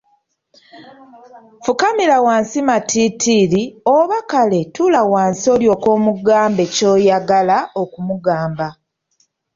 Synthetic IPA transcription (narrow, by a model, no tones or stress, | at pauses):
fukamilawaːnsimatʰitʰiɾioβakale̞tulawaːnsio̞ːljo̞ːko̞ːmuɡaːmbe̞co̞ːjaɡalao̞kumuɡaːmba